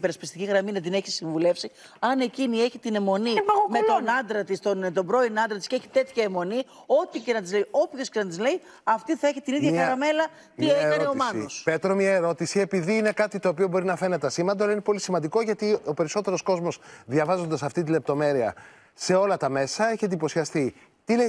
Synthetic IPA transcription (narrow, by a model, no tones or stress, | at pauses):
peɾɐspist̪iciɣɾɐminɐd̪ine̞çisiɱvule̞fsi | ɐne̞cinie̞çit̪ine̞mo̞nimmet̪onɐnd̪ɾɐt̪ist̪ont̪o̞bɾo̞inɐnd̪ɾɐt̪i̥sceeçi̥t̪e̞t̪çɐemo̞ni | o̞t̪ice̞nɐt̪izleio̞pço̞sce̞nɐt̪izle̞i | ɐft̪iθɐeçit̪iniðʝɐxɐɾɐme̞lɐ | t̪ieɾɐneomɐnospe̞t̪ɾomɲɐeɾo̞t̪isie̞piðiːne̞kɐt̪it̪o̞ːpio̞bo̞ɾinɐfe̞net̪eɐsimɐnd̪oɐlɐinepo̞lisimɐnd̪iko̞ʝɐt̪io̞pe̞ɾiso̞t̪e̞ɾo̞sko̞zmo̞sðʝɐvɐzo̞nd̪ɐsɐft̪it̪̬ile̞p̚t̪o̞me̞ɾiɐ̰ | se̞o̞lɐt̪ɐme̞sɐe̞çet̪eipo̞sçɐst̪i | t̪ie